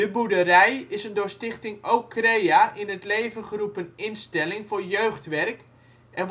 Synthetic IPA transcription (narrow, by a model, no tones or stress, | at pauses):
dəbudərɛjɪsəndʊːstɪxtɪŋowkʰːrejaʔɪnətleːvəχərupənɪnstɛlɪŋfʊrjøɥxtʋɛrk | ʔɛn